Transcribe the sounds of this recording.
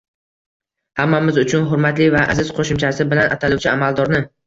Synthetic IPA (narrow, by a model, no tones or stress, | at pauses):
hamːamɪzʊt͡ʃʰʊnɦʊɾmat̪lɪvaʔa̰zɪz̥qʰoʃʊmt͡ʃʰasɪbɪlana̰t̪ʰaluwt͡ʃʰɪamalˠd̪ɒɾnɪ